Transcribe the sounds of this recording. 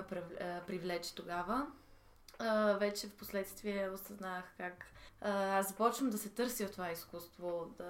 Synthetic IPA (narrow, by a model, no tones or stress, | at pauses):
pɾɛpɾivlɛt͡ʃɛ̥t̪oɡavə | vɛt͡ʃɛfposlɛt̪st̪viɛosɐznaxkak | azzɐpɔt͡ʃvəmd̪ɐsɛt̪ɤɾsift̪ovaiskust̪vod̪ɐ